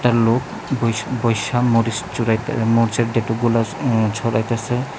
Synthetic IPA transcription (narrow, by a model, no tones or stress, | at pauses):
ʈaɾlok | bjbɔjʃamoɾisuɾajmoɾiseɾɖeʈoɡulat͡ʃʰɔɾajt̪asʰe